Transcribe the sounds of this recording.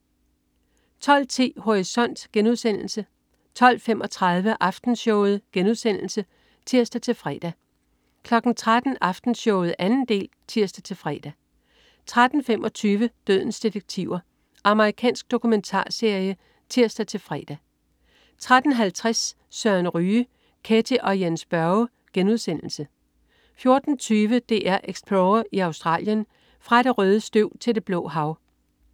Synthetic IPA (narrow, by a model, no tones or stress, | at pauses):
t͡sʰɒ̽l̰t͡sʰḭːho̝ʁisɒ̽n̰d̥ɡ̥enuð̞̰ˠsen̰l̩sə | t͡sʰɒ̽l̰femʔɒ̽t͡sʰʁɑð̞ˠʋəʔɑ̈fd̥n̩ɕɔʊð̞̩ˠɡ̥enuð̞̰ˠsen̰l̩sə | t͡sʰiɐ̰sd̥æt͡sʰe̝lfʁɛ̰d̥æ | kʰlɒ̽ɡ̥n̩t͡sʰʁad̥n̩ɑ̈fd̥n̩ɕɔʊð̞̩ˠʔænn̩d̥e̝̰ːl | t͡sʰiɐ̰sd̥æt͡sʰe̝lfʁɛ̰ːd̥æ | t͡sʰʁad̥n̩femʔɒ̽t͡sʰyːʋəd̥øð̞̰ˠn̩sd̥id̥eɡ̥̚t͡sʰiʊ̰ɐ | ʔɑ̈məʁikʰɛ̰ːnsɡ̥̚d̥o̝kʰument͡sʰɑ̰̈ːse̝ɐ̰jə | t͡sʰiɐ̰sd̥æt͡sʰe̝lfʁɛ̰ːd̥æ | t͡sʰʁad̥n̩ɦælt͡sʰʁasː | œɐnʁyː | kʰet͡sʰiʔɒ̽jensb̥ɶɐʊ | ɡ̥enuð̞ˠsen̰l̩sə | fjo̝ɐd̥n̩t͡sʰyːʋəd̥e̝̰ːʔæɐ̰ʔeɡ̥sb̥ʰloːɐiɑ̈ʊsd̥ʁɑ̰̈ːljən | fʁɑ̈ɾ̥e̝ʁœːð̞ˠəsd̥øʊ̰t͡sʰe̝ld̥e̝b̥lɔ̰̽ːɦɑ̈ʊ